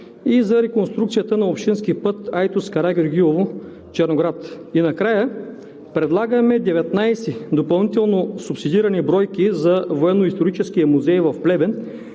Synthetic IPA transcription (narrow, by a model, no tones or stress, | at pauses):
izɐɾɛkonst̪ɾukt̪sijət̪ənɐopʃt̪inskipɤt̪ajt̪uskɐɾaɡʲɾɡ̟iovo | t͡ʃɛɾnoɡɾat̪ | inɐkɾajə | pɾɛd̪lˠaɡəmɛd̪ɛvɛt̪najsid̪opɐlˠnit̪ɛlˠnosʊpsid̪iɾɐnibɾɔjkizɐvoɛnːoist̪oɾit͡ʃɛskiɐmuzɛjvɐfplɛbɛn